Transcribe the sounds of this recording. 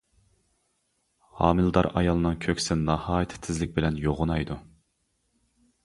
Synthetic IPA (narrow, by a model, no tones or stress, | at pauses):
hɑ̰ːmɨlˠd̪ɑɾɑ̰jɑlˠɨnɨŋkʲʰøkʲsɪnnɑhɑːjit̪ʰɪ̥t̪ʰːɪzlɪk̚ʲbɪlɛnjoʁʊnɑjd̪u